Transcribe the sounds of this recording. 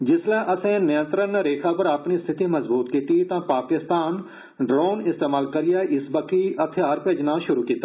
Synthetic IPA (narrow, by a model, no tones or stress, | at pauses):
d͡ʒɪslɛ̃ːʔəsẽːnəjə̃nt̪ɾənɾeːkʰaːpəɾaːpnist̪ʰɪt̪iːmɐzbuːt̪kiːt̪it̪ãːpaːkɪst̪aːn | ɖɾoːnɪst̪eːmaːlkəɾɪjaːʔɪsbəkiʔɐt̪ʰɪjaːɾpeːd͡ʒnaːʃʊɾuːkiːt̪aː